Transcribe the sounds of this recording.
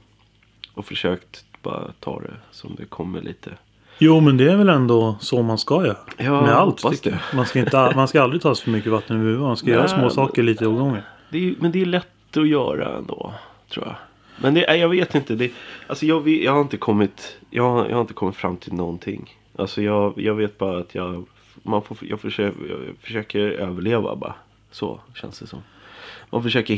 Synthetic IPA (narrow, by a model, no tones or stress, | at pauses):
ɔfœʂøːkt̪b̥ɑ̰ːɾa̰t̪ʰɑ̰ːd̪ɛ̰sɔmd̪ɛkʰɔmːə̰ɭʔḭːt̪ʰə | juːmɛnd̪ɛæɾvɛlɛnd̪ɔsɔmanskajœːɾajɑːmɛalt̪ːmanskaɪnəamanskaalɾɪt̪ʰɑːsfœɾmʏkːəvat̪ːənɔhʉ̟ːvəmanskajœːɾasmoːsɑːkəɭiːt̪əoːɡɔŋːəɾd̪ɛjmɛnd̪ɛːɭɛt̪ːɔjœːɾa̰ɛ̰nd̪oːt̪ʰɾṵːja̰ | mɛnd̪ɛʔæjɑːɡveːt̪ɪnt̪əd̪ɛalsɔjɑːɡvejɑːhaɾɪnt̪əkʰɔmːɪt̪jʔɑ̰ːɡajʔhaɾɪnt̪əkʰɔmːɪt̪fɾa̰mːt̪ʰɪlnɔnt̪ʰɪŋː | ʔa̰lsɔjɑːɡjɑːɡveːt̪̚bɑːɾaːt̪ʰjɑː | manfojɑ̰fœʂj̰fœ̥ʂøːkəɾøːvəɭeːva̰bɑ̰ | sɔ̰ɕɛ̰nsd̪ɛsɔ̰mmʔanfœʂøːkə